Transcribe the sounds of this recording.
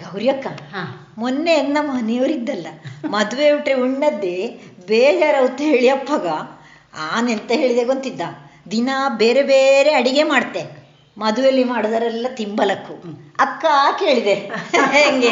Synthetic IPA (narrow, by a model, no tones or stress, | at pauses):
ɡɐwɾjɐkːɐ | monːeɐnːɐmɐnejoʋɾid̪ːɐlːɐmɐd̪uʋeuʈɾiuɳːɐd̪ːebeːd͡ʒaːɾɐwut̪ːɦeːɭijɐpːɐɡɐ | aːnent̪ɐɦe̞ːɭid̪eːɡont̪id̪ːɐd̪inɐbeːɾebeːɾe̞ɐɽiɡe̞maːɖt̪ːe | mɐd̪uʋjɐlːimaːɽud̪ɐɾɐlːɐt̪imbɐlɐkːuɐkːɐːke̞ːɭid̪eɦeŋɡe